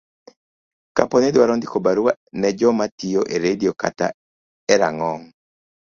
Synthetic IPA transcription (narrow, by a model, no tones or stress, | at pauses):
ka̰pɔnedwaɾɔndikobaɾuanɛd͡ʒɔmatioʔeɾedioka̰ta̰ | ɛɾa̰ŋɔŋ